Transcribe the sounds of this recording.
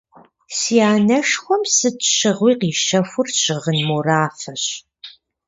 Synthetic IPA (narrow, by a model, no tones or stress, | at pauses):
siaːnɐʂxʷɔmsɨtɕɪʁʷiːqiːʃɐfʷʊrɕɪʁənmuraːfɐɕ